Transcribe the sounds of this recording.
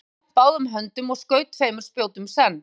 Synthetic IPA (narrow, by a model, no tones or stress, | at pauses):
paːwðʏmɦœnt̪ʏmɔɣskœːɥt̪feːjmʏɾ̥spjowt̪ʏmsɛnː